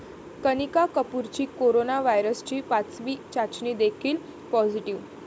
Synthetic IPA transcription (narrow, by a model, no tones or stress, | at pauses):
kənikakəpuɾt͡ɕiːkoɾonaʋajɾəst͡ɕiːpat͡sʋiːt͡ɕat͡ɕniːd̪ekʰiːl | pɔd͡ʑiʈiʋ